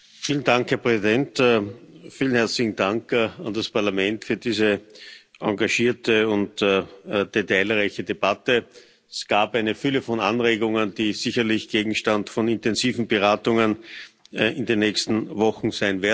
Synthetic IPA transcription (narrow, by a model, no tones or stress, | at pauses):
fiːlən̩daŋkhɛɐpʁ̥ɛzidɛnt | fiːlən̩hɛɐt͡slɪçŋ̩d̥aŋkandaspaɐlamɛntfyːɐdiːzəʔãŋɡaʃiːɐtʰəʊnt | d̥etaɪlʁaɪçədeb̥atə | sɡ̥aːpæɪnəfʏləfɔnanʁeːɡʊŋənd̥iːziçɐlɪçɡ̥eːɡŋ̩ʃtantfɔnɪntɛnziːvn̩bəʁaːtʊŋən | ɪndenːɛːçstn̩vɔχŋ̩zæɪnvɪɐ